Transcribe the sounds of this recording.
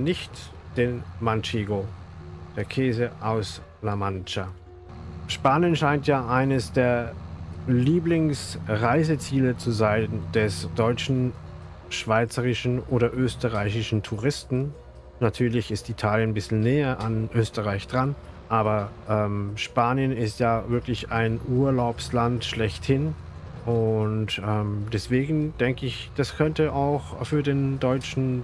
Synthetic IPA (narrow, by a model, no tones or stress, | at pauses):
nɪçt | d̥enmant͡ʃeːɡo | d̥eːɐkʰɛːzəʔaʊs | lamant͡ʃa | ʃpaːnjənʃaɪntjaːʔaɪnəsd̥eːɐ | liːblɪŋsʁaɪzət͡siːlət͡suzaɪnd̥ɛsd̥ɔʏt͡ʃn̩ | ʃv̥aɪt͡səʁɪʃn̩ʔoːɾɐʔøːstəʁaɪçɪʃn̩tʰuʁɪstn̩ | natʰyːɐlɪçɪstitʰaːljənbɪsl̩nɛːɐʔanʔøːstəʁaɪçd̥ʁan | ʔaːbɐʔɛːmʃpaːnjənɪstjaːvɪɐklɪçaɪnʔuːɐlaʊpslantʃlɛçthɪn | ʔʊntʔɛːmdɛsv̥eːɡŋ̩d̥ɛŋkəɪçd̥askʰœntəʔaʊxfyːɐdeːndɔʏt͡ʃn̩